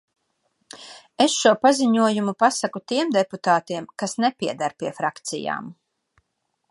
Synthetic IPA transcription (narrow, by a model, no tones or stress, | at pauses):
esʃuɔpaziɲuɔjumupasakut̪iɛmd̪eput̪aːt̪iɛmkasnɛpiɛd̪aɾpiɛfɾakt̪sḭja̰ːm